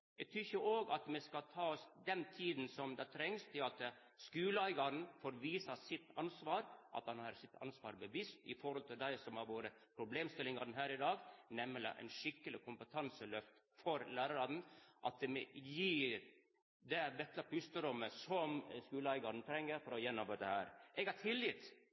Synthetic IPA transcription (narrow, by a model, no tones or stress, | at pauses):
ɛɡ̚t̪ʰyɾçəʔoːɡɑt̪mɛskɑlt̪ʰɑːɔsd̪ɛnt̪ʰiːd̪n̩sɔmd̪ɑt̪ʰɾɛŋst̪ʰɪlɑt̪ | skʉːləæɪɡɑɾn̩foːɾʋiːsɑsɪt̪ːɑnsʋɑːɾʔɑ̰t̪hɑnhɑɾsɪt̪ʰːɑ̰nsʋɑ̰ːɾbəʋɪst̪ɪ̰fɔɾhɔlt̪ʰɪld̪æɪsɔmhɑɾʋoːɾə | pʰɾʊbleːmst̪ɪlɪŋɑɾnɦæːɾɪd̪ɑːɡnɛmːəlɪ̰ʔæ̰ɪnʂɪkːəlɪkʰʊmpət̪ʰɑnsəlœft̪ | fɔɾlæːɾɑɾɑnn̩ʔɑ̰t̪̚d̪ɛmɛjiːɾ | d̪ɛd̪ɛt̪ːəpʰʉst̪əɾɔmːəsɔmskʉːləæɪɡɑɾɳnt̪ʰɾɛŋːəɾfɔɾɔjɛnːɔmbəd̪əhæːɾʔɛɡɑʈʰɪlːɪt̪